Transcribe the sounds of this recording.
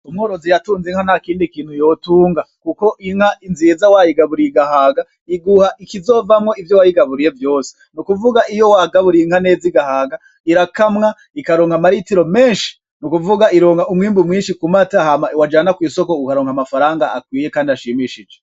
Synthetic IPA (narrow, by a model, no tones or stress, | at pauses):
umŋoːɾo̞zijatuːnziŋhanakiːndikiːn̥hujotuːŋɡakuko̞ʔiŋhainzizawajiɡaβuɾiɡahaːɡa | iɡuhaʔikizo̞vamŋo̞ivjowajiɡaβuɾije̞vjo̞ːse̥ | nukuvuɡaʔijo̞waɡaβuɾiiŋ̥hane̞ːziɡahaːɡa | iɾakamŋa | ikaɾoːŋhamaɾitiɾo̞meːnʃi̥ | nukuvuɡaiɾo̞ːŋhaumŋiːmbumŋiːnʃikumateahamawad͡ʒaːnakwiːso̞ko̞ukaɾoːŋhamafaɾaːŋɡaakwiːjekaːndiaʃiːmiʃid͡ʒo